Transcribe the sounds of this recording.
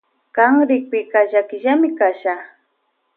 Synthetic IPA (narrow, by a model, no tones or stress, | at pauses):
kaŋɾɪk̚pɪkaʒakɪʒamɪkaʃa